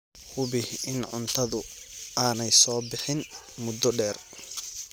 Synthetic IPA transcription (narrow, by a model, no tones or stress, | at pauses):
hʊβɪhɪnʕʊnt̪ʰɐðʊaːnɛjsɔːbɪħɪn | mʊd̪ɔɖɛːr